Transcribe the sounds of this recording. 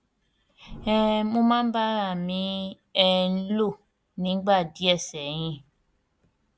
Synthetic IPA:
ɛ˨mo˧mã˦ba˦ɾa˦˨mĩ˨˧˦ | ɛ˧n̩˦lo˦˨ | nĩ˨˦ɡ͡ba˦˨di˨˦ɛ˦˨sɛ˨j̃ĩ˧

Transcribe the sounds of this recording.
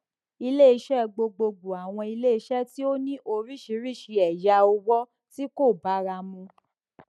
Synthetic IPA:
i˧le˦i˧ʃɛ˦˧ɡ͡bo˧ɡ͡bo˧ɡ͡bu˨a˨w̃ɔ̃˧i˧le˦i˧ʃɛ˦ti˦o˦nĩ˦ʔo˧ɾi˦˨ʃi˧˦ɾi˦˨ʃi˨˧˦ɛ˨ja˧o˧wɔ˦ | ti˦ko˦˨ba˨˦ɾa˧mũ˧

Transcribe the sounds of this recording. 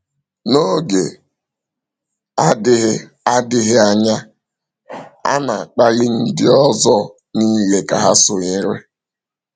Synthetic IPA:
no˦ɡe˨ | a˦dɪ˦ɦɪ˦ | a˦dɪ˦ɦɪ˦a˨ɲa˦ | a̰˦na˨k͡pa˦ɣɪ˦n̩˦dɪ˦ɔ˦zɔ˦ | niː˦le˨ka˨ɦa˦sʊ˨ɲɪ˦ɾe˦

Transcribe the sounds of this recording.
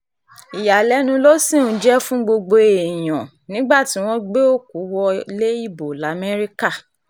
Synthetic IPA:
i˨ja˨lɛ˨˦nũ˧lo˦sĩ˦˨˦d͡ʒɛ˦fũ˦ɡ͡bo˧ɡ͡bo˧e˨j̃ɔ̃˨ | nĩ˨˦ɡ͡ba˦˨ti˨˦w̃ɔ̃˦ɡ͡be˦o˦˨ku˨˦wɔ˧le˦i˦˨bo˨la˨˦mɛ˦ɾi˦ka˦˨

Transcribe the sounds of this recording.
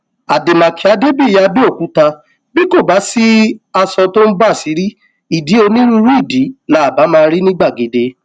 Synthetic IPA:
a˨de˨mã˨ki˨˦a˧˦de˦bi˦˨ja˧bi˦o˦˨kũ˨˦tã˧ | bi˦ko˦˨ba˨˦si˦a˧sɔ̃˧to˦n̩˦ba˦˨si˨˦ɾi˦ | i˨di˨˦o˧nĩ˦ɾu˧˦ɾu˦i˦˨di˨˦nã˨˦a˨ba˨˦mãː˧ɾi˦nĩ˦ɡ͡ba˦˨ɡe˨˦de˨˦

